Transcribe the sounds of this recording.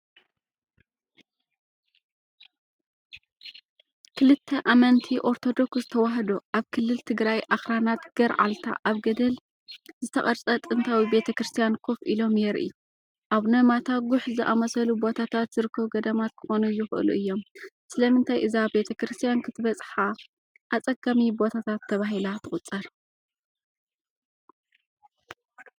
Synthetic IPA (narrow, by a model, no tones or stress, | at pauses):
kʰɨlɨt̪ʰːɐʔamɐnt̪ʰiʔo̞ɾt̪ʰo̞d̪o̞kszɨt̪ʰɐwaɦɐd̪oʔaβkʰɨlːɨlt̪ʰɨɡɾajʔaxɾanat̪ɡ̥ɐɾʕa̰lt̪ʰa̰ʔaβɡɐd̪ɐl | zɨt̪ʰɐχʼɐɾt͡sʼɐt̪ʼɨnt̪ʰawibe̞t̪ʰɐkɾɨst̪ʰijankʰo̞fʔilo̞mjɛɾʔḭ | ʔaβnɐmat̪ʰaɡʊħzɨʔamɐsɐlubo̞t̪ʰat̪ʰat̪zɨɾɨkʰːɐβɡɐd̪ɐmat̪̚kʰɨ̥xo̞nujɪxʔɨ̰lṵʔɨjːo̞msɨlɐmɨnt̪ʰajʔɨzabe̞t̪ʰɐkɾɨst̪ʰijankʰɨt̪ʰɨβɐt͡sʼħa | ʔat͡sʼɐɡamibo̞t̪ʰat̪ʰat̪ʰːɐβaɦilat̪ʰɨχʼʊt͡sʼːɐɾ